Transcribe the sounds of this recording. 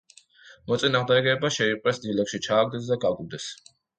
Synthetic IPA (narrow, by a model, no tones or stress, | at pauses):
mɔt̪sʼinaʁmd̪ɛɡɛbaʃɛiqʼwɛsd̪ilɛkʃit͡ʃʰaːɡ̚d̪ɛs̬d̪aɡaɡulˠd̪ɛs